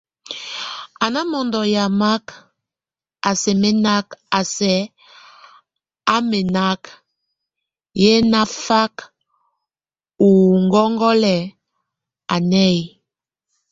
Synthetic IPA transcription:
a˨na˦mɔ˨ndɔ˨ja˨ma˦k | a˨sɛ˨mɛ˦na˦ka˨sɛ˨˦ | a˦mɛ˨na˦k | jɛ˦na˦fa˦k | u˨ŋɡɔ˦ŋɡɔ˦lɛ˨ | a˨nɛ˦˨j

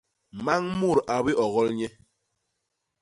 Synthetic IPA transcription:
ma˦ŋmu˦˨ɾa˨bi˦ʔɔ˨ɣɔ˦lɲɛ˦

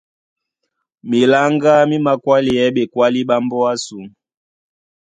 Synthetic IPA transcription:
mi˨la˦ŋɡa˦mi˦ma˦kwa˦li˨ɛ˨˦ɓɛ˨kwa˦li˦ɓa˦mbɔ˦a˦su˨m

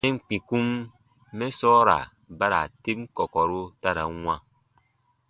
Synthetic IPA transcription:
e˦ŋ̩˨k͡pi˨ku˦mː | e˦sɔː˦ɾa̰˨ | ba˦ɾa̰˨te˦p̚kɔ˨kɔ˨ɾo˦ta˦ɾa̰˨˦ŋã˦˨

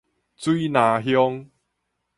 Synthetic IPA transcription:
t͡swi˦nã˨˧˦ɦjɔ˦ŋ

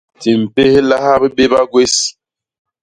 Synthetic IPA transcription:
ti˨m̩˨pe˦he˦la˦ha˦bə˦be˦ba˦ɡwe˦s

